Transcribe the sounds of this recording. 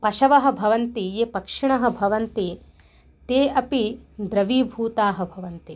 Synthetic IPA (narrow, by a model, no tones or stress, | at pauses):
pɐʃɐʋɐɦɐ̆bʱɐʋɐnt̪ijeːpɐkʂiɳɐɦɐ̆bʱɐʋɐnt̪i | t̪eːʔɐpid̪ɾɐʋiːbʱuːt̪aːɦɐ̆bʱɐʋɐnt̪i